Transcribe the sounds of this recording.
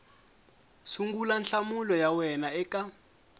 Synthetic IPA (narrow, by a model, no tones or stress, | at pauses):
suŋɡulanɬamulɔjawɛnaɛka